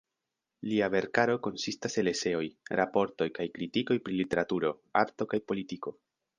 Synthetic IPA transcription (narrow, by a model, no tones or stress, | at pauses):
liave̞ɾkaɾo̞ko̞nsistase̞le̞se̞o̞jɾʔapo̞ɾto̞jkajkɾitiko̞jpɾilite̞ɾatuɾo̞aɾto̞kajpo̞litiko̞